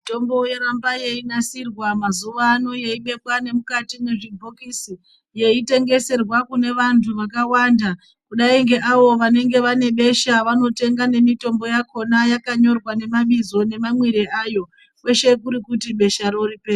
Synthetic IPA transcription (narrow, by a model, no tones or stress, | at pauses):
ito̞mbo̞jeɾambaje̞inasirwamazuʋano̞jeiɓe̞pwane̞mukatineʐibʱokisi | je̞ite̞ŋɡe̞se̞rwakune̞ʋantʰuʋakawanda | kuɗaiŋɡe̞ʔaʋo̞ʋane̞ŋɡe̞ʋane̞ɓe̞ʃaʋano̞te̞ŋɡane̞mito̞mbo̞jakʰo̞najakaɲo̞rwane̞maɓizo̞nemamwiɾeʔajo̞ | kwe̞ʃe̞kuɾikutiɓe̞ʃaɾoɾipeː